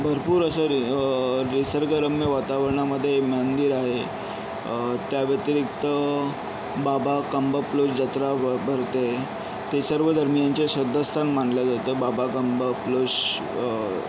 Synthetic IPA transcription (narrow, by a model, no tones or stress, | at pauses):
bʱəɾpuːɾəsəɾ | ɾisəɾɡəɾəmːeʋat̪aʋəɾɳaməd̪ʱːjemand̪iːɾaɦe | t̪jaʋjət̪ɾikt̪ə | babakəmbəplosd͡ʑat̪ɾabʱəɾt̪e | t̪esəɾʋəd̪ʱəɾmijant͡ɕesəd̪ʱːəst̪ʰanmaɳljad͡zat̪əbabakəmbəploɕ